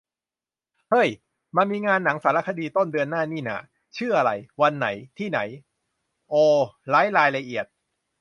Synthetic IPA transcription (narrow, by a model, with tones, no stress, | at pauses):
hɤ˦˥˩j | maː˧miː˧ŋaː˧nːa˩˦ŋsaː˩˦la˦˥kʰa˧diː˧t̪o˥˩ndɯ˧ənːaː˥˩niː˥˩na̰ː˨˩ | t͡ɕʰɯː˥˩ʔa˧ɾa˧jwa˧nːa̰˩˦jt̪ʰiː˥˩na̰˩˦j | ʔoː˧laː˦˥jɾaː˧jla˧ʔi˨˩ət̪̚